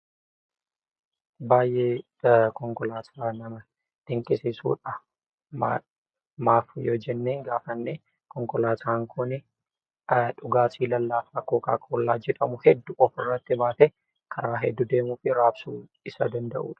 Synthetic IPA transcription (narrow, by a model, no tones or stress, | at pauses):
baːjʔeː | kɔŋkɔlaːt̪ʰaːnɐmɐ | d̪̥ɪŋkʼɪsɪsṵːᶑɐ | ma | maːfjoːd͡ʒɛnːeːŋɡaːfɐnːeː | kɔŋkɔlaːt̪ʰaːŋkʰʊnɛ | ᶑʊɡaːsʼiːlɐlːaːfɐkoːka̰ːkʼɔlːaːd͡ʒɛᶑɐmʊhɛd̪ːʊʔɔfɪrːɐt̪ːɪbaːt̪ɛ | kʰɐɾaːɦɛd̪ːʊd̪e̞ːmuːfɪɾaːbsuː | ɪsɐd̪ɐnd̪ɐʔṵːᶑɐ̥